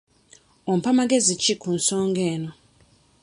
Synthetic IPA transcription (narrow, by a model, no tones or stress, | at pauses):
ɔm̩pʰamaɡezit͡ʃʰikʰun̩sɔːŋɡɛːnɔ